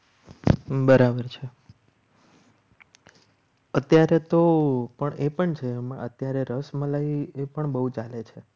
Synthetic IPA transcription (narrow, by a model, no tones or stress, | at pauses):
bəɾabəɾt͡ʃʰe | ət̪jaɾet̪opəɳepəɳt͡ʃʰeəm̰ʔət̪jaɾeɾəsmãlaiepəɳbəɦut͡ʃalet͡ʃʰe